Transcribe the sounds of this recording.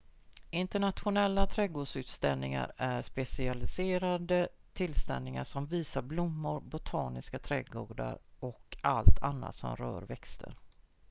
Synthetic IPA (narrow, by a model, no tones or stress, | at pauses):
ɪnt̪əɳat̪ɧʊnɛlːat̪ʰɾɛɡoːɖʂʉ̟ːt̪st̪ɛlnɪŋa̰ɾæɾʂpɛsɪalɪseːɾad̪ə | t̪ʰɪlːst̪ɛ̰nnɪŋaʂɔmviːsaɾblʊmːʊɾbʊt̪ʰɑːnɪskat̪ʰɾɛɡoːɖa̰ɾɔkalt̪ʰanːa̰t̪sɔ̰mɾœ̰ːɾvɛkst̪ʰə̰ɾ